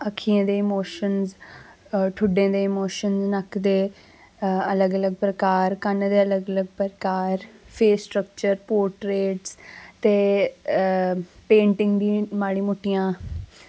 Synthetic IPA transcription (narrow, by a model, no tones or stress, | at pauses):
əkʰːiːẽːd̪eːɪmoːʃənz | ʈʰʊɖẽːd̪eːɪmoːʃənznəkd̪eː | ələɡələɡ̚pɾəkaːɾkənd̪eːələɡələɡpɾkaːɾpʰeːsʈɾək̚t͡ʃəɾpoːɾʈɾeːʈst̪eː | pẽːɳʈɪŋɡd̪iːmaːɽiːmʊʈːijãː